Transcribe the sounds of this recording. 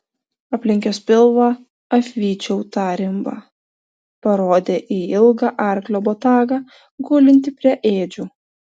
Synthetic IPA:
ɐpʲlʲɪŋʲkʲoːspʲɪlˠʋɑ | ɐfʲʋʲiːt͡ʃʲɛʊt̪ɑːɾʲɪmbɑ̰ː | pɐɾoːd̪ʲeːʔiːɪlˠɡɑːʔɑˑɾʲklʲoːbot̪ɑːɡɑː | ɡʊːlʲɪnʲt̪ʲɪpʲɾʲiɛʔeːd͡ʒʲuː

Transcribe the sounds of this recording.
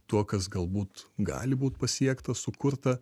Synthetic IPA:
t̪uɔkɐs̬ɡɐlˠbuːt̪ɡɑ̰ːlʲɪbuːt̪pɐsʲiɛkt̪ɐsʊkʊɾt̪ɐ

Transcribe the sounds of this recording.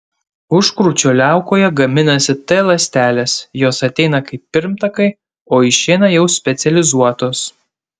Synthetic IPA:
ʊʃkɾuːt͡ʃʲoːlʲæˑʊkoːjɛɡɐmʲɪnɐsʲɪt̪ɐlˠɐsʲt̪ʲæːlʲesjoːsɐt̪ʲɛɪnɐkɐɪpːʲɪɾʲmt̪ɐkɐɪ | oːɪʃʲɛɪnɐjɛʊsʲpʲɛt̪sʲɛlʲɪzuɔt̪oːs

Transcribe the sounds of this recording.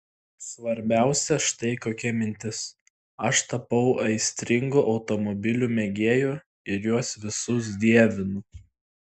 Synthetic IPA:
sʋɐɾʲbʲæˑʊsʲɛʃt̪ɐɪkoːkʲɛmʲɪnʲt̪ʲɪs | ɐʃt̪ɐpɐʊʔɐɪsʲt̪ʲɾʲɪŋɡuʔɒʊt̪ɔmɔbʲɪlʲuːmʲɛɡʲeːju | ɪɾjuɔsʋʲɪsʊs̬d̪ʲiɛʋʲɪnʊ

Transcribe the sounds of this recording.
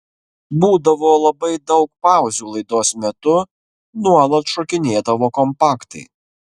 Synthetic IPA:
buːd̪ɐʋoːlˠɐbɐɪd̪ɒʊk̚pɑˑʊzʲuːlˠɐɪd̪oːsmʲɛt̪ʊ | nuɔlˠɐt̪ʃɔkʲɪnʲeːd̪ɐʋoːkɔmpɑːkt̪ɐ̰ɪ

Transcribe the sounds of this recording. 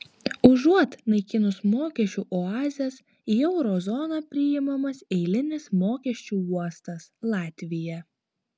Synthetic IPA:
ʊʒuɔt̪nɐɪkʲɪnʊsmoːkʲɛt͡ʃʲuˑːʔɔɑːzʲɛs | iɛʊɾɔzɔnɑpʲɾʲɪjɪmɐmɐsɛɪlʲɪnʲɪsmoːkʲɛʃʲt͡ʃʲuːˑuɔst̪ɐslˠɑːt̪ʲʋʲɪjɛ

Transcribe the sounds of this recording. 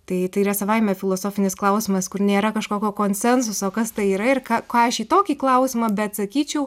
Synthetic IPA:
t̪ɐɪt̪ɐɪiɾɐsɐʋɐɪmʲɛːfʲɪlˠoːsoːfʲɪnʲɪsklˠɐʊsʲɪmɐskʊrnʲeːɾɐkɐʃkoːkʲoːkoːnʲsʲɛns̬ʊsoːkɐst̪ɐɪiːɾɐɪrkɑːkɑːɐʃiːt̪oːkʲiːklˠɐʊsʲɪmɐbʲɛt̪sɐkʲiːt͡ʃʲɛʊ

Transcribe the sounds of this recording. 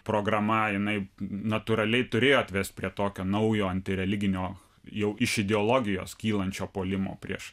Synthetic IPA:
pɾoːɡɾɐmɐjɪnɐɪnɐt̪uːɾɐlʲɛɪt̪ʊɾʲeːjoːɐt̪ʲʋʲɛst̪̚ʲpʲɾʲiɛt̪oːkʲoːnɐʊjoːɐnʲt̪ʲɪɾʲɛlʲɪɡʲɪnʲoː | jɛʊɪʃɪd̪ʲɛoːlˠoːɡʲɪjo̰ːskʲiːlˠɐnʲt͡ʃʲoːpoːlʲɪmo̰ːpʲɾʲiɛʃ

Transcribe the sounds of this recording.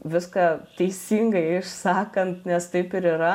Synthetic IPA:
ʋʲɪskɑːt̪ʲɛɪsʲiːŋɡɐɪɪʃsɑːkɐnt̪nʲɛst̪ɐɪpɪɾiːɾɐ

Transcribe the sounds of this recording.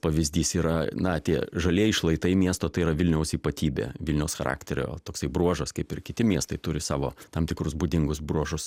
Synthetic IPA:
pɐʋʲɪzʲd̪ʲiːsiːɾɐnɐt̪ʲiɛʒɐlʲiɛɪʃlˠɐɪt̪ɐɪmʲiɛst̪oːt̪ɐɪiɾɐʋʲɪlʲnʲɛʊsiːpɐt̪ʲiːbʲḛːʋʲɪlʲnʲɛʊsxɐɾʔɑ̰ːkt̪ʲɛɾʲo̰ːt̪oːksɐɪbɾuɔʒɐskɐɪpɪrkʲɪt̪ʲɪmʲiɛst̪ɐɪt̪ʊɾʲɪsɑːʋo̰ːt̪ɐmt̪ʲɪkɾʊsbʊd̪ʲɪŋɡʊsbɾuɔʒʊs

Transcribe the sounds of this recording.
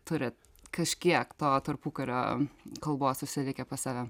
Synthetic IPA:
t̪ʊɾʲɪ | kɐʃʲkʲiɛkt̪oːt̪ɐrpuːkɐɾʲo̰ːkɐlˠboːssʊʃʲsʲɪlʲɪkʲɛpɐsɑːʋʲɛ

